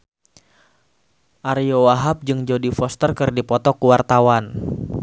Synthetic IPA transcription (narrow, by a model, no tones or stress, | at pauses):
ʔaɾiowaɦap̚d͡ʒɨŋd͡ʒodifɔst̪ərkɨrdipɔt̪ɔkuwart̪awan